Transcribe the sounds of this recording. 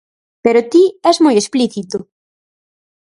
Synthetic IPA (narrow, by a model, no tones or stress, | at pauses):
peɾʊt̪iɛzmojespliθit̪ʊ